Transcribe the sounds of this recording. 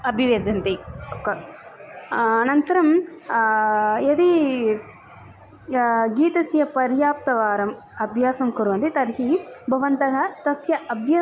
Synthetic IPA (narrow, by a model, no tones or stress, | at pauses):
ɐbʱiʋeːd͡ʒɐnt̪iokːɐ | nɐnt̪ɐɾɐm | jɐd̪i | ɡiːt̪ɐsjɐpɐɾjaːp̚t̪ɐʋaːɾɐm | ɐbʱjaːsɐmkuɾʋɐnt̪it̪ɐɾɦibʱɐʋɐnt̪ɐɦɐt̪ɐsjɐʔɐbʱjɐ